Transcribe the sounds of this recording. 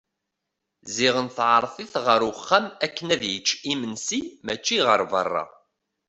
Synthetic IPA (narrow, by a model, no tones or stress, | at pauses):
ziʁənθʕɾˤθˤiθʁəɾʊχːæmækːənæðjət͡ʃːimənsimæt͡ʃːiʁəɾvə̰rˤːɑ̰